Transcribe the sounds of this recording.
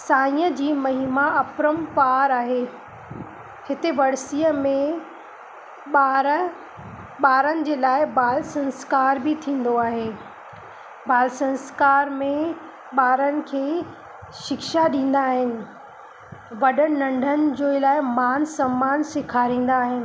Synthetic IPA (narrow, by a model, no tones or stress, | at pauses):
saːĩəd͡ʑiːmɐɦiːmaɐpɾəmpaːɾaːɦeː | hɪt̪eʋɐɽsijəmẽ | ɓaːɾə | ɓaːɾənɪ̆d͡ʑeːlaːɪbaːlsɐ̃nskaːɾbɪt̪ʰĩːn̆d̪oaːɦeː | baːlsɐ̃nskaːɾmẽ | ɓaːɾənɪ̆kʰeː | ʃɪkʃaɗĩːn̆d̪aːɦɪnɪ̆ | ʋɐɗənɪnɐ̃ɳɖʱənɪ̆d͡ʑoːlaːɪmaːnsɐmːaːnsɪkʰaːɾĩːn̆d̪aːɦɪnɪ̆